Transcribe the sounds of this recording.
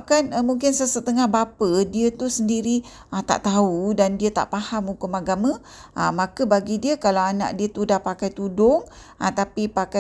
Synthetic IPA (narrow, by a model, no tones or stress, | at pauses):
kanmuŋkɪnsəsət̪əŋahbapədiət̪usəndiɾi | at̪a̰ʔt̪audandiət̪a̰ʔpahamukʊmaɡamə̃ | ʔamãkəbaɡidiəkalawana̰ʔdiət̪udahpakajt̪udʊŋ | at̪apipaka